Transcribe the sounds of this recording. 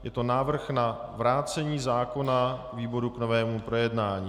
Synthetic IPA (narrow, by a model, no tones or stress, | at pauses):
jɛt̪o̞naːvr̩xnavɾaːt͡sɛɲiːzaːko̞na | viːbo̞ɾukno̞vɛːmupɾo̞jɛdnaːɲiː